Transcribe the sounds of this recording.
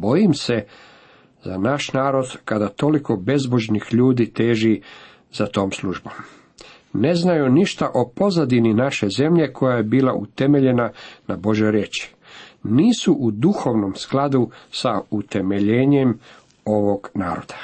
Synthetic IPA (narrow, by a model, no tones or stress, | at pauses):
bo̞jimse̞ | zanaʃnaːɾo̞d̪kad̪at̪o̞liko̞be̞zboʒnixʎuːd̪iːt̪e̞ːʒi | z̥at̪o̞ːmslˠuʒbo̞m | ne̞znajuniʃt̪aʔo̞po̞zad̪ininaʃe̞ze̞mʎe̞kʰo̞jaje̞biːlaʔṵt̪e̞me̞ʎe̞nanabo̞ʒjojɾjeːt͡ʃi̥ | niːsuʔud̪uxo̞ʋno̞msklad̪usaut̪e̞me̞ʎeːɲe̞m | o̞ʋo̞ɡnaːɾo̞̰d̪̥ḁ